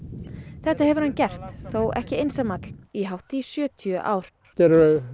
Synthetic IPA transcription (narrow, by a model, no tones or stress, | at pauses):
θɛht̪aɦɛvʏɾ̥hancɛr̥t̪θowʔɛ̰hcɪejnsamakliɦawht̪isjœːt̪ʰjʏʔa̰ːwɾ̥ | t̪ɛɾ